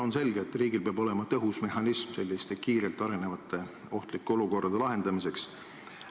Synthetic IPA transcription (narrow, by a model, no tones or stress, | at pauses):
o̞nse̞lɡ̥eːt̪ːˑriːɡilpeɑbo̞le̞mɑt̪ɤɦusme̞ɦɑnismse̞lʲːist̪e̞kiːɾe̞lt̪ːˑɑɾe̞ne̞vɑt̪ːˑe̞ | o̞ht̪likːeo̞luko̞rd̥̪ɑd̪̥e̞lɑɦe̞nd̪̥ɑmis̬e̞ks